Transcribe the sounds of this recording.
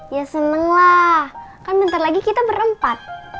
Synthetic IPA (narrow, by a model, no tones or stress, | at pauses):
jasənəŋlahkanbənt̪arlaɡikit̪abəɾəmpat̪̚